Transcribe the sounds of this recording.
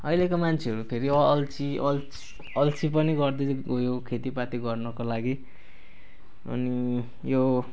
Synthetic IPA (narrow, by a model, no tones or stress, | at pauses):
ʌilekomant͡sʰeʌɾupʰeɾiʌlt͡siʔʌl | ʌlt͡sipʌniɡʌrd̪eojokʰet̪ipat̪iɡʌrnʌkolaɡi | ʌ̰ni | jo